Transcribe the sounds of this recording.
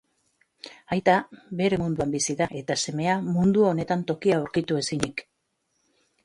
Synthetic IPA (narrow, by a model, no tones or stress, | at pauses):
ajt̪abe̞ɾe̞mund̪uambisiðaʔe̞t̪ase̞me̞amund̪uo̞ne̞t̪ant̪o̞kiawɾkit̪ue̞siɲik